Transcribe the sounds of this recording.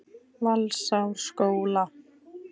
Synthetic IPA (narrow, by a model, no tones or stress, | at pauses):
valsawɾskoːwla